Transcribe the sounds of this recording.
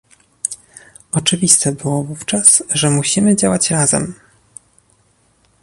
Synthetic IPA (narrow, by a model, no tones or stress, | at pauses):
ɔt͡ʂɘvʲist̪ɛbɘwɔvuft͡ʂasʐɛmuɕimɘd͡ʑawat͡ɕɾazɛ̰m